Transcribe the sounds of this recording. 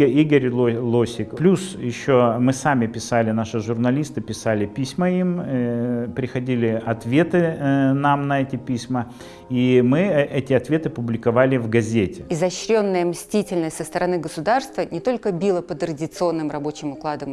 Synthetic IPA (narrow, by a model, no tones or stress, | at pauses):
əiɡəɾʲˠlˠosʲɪkplʲusjɪɕːomɨsamʲɪpʲɪsalʲɪnaʂɨʐʊrnɐlʲist̪ɨpʲɪsalʲɪpʲisʲməimipɾʲɪxɐdʲilʲɪɐt̪vʲe̞t̪ɨnamnɐɛtʲɪpʲisʲmə | imɨɛʔɛtʲɪɐt̪vʲe̞t̪ɨɐpʊblʲɪkɐvalʲɪvɡɐzʲetʲɪɪzɐɕɾʲo̞nːəjəmsʲtʲitʲɪlʲnəsʲtʲsəst̪əɾɐnɨɡəsʊd̪arst̪vənʲɪt̪o̞lʲkəbʲilˠəpət̪ɾədʲɪt̪sɨo̞nːɨmrɐbo̞t͡ɕɪmʊklˠad̪əm